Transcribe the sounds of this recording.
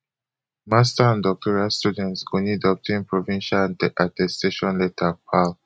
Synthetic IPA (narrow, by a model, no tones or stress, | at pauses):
mastaãndɔk̚tʰɔɹiastudɛ̃ntsõnlidɔp̚tʰĩnpɹɔvĩnʃalãndiʔatɛsteʃɔ̃nletʰapʰal